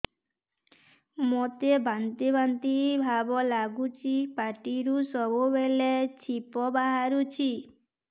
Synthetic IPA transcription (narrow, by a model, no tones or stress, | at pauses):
mot̪ebant̪ibʱant̪ibʱabɔlaɡut͡ʃʰipaʈiɾusɔbubelet͡ʃʰipɔbaɦaɾut͡ʃʰi